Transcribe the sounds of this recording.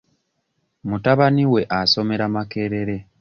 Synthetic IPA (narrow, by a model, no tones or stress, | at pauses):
mutaβaniwe̞ʔaso̞me̞ɾamake̞ːɾe̞ɾe̞